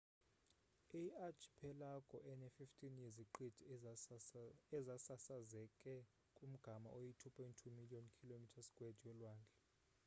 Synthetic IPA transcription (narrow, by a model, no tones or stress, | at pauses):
iat͡ʃʰi̥pʰɛlakʼɔʔɛnɛfiftʰʼinjɛziǃid̥ʱi | ɛzasasazɛkʼɛ | kʼum̩ɡ̥ʱama̰ʔojitʰupʰɔjntʰumiliɔnkʰilomitʰasɡ̥ʱʼwed̥ʱijɔlwaːnd͡ɮʱɛ